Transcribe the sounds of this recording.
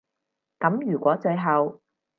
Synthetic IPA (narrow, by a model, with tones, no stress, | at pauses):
kɐ˨˥mjyː˨˩kʷwɔː˨˥t͡ʃɵ˧ɥɦɐ˨w